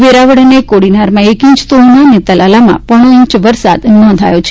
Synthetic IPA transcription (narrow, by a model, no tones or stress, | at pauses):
ʋeɾaʋəɽənekoɽinaɾmãekĩɲt͡ʃt̪oɦnanet̪əlʔalamã̰pəɽ̃oĩɲt͡ʃʋəɾsa̰d̪nɔ̃nd̪ʱajot͡ʃʰe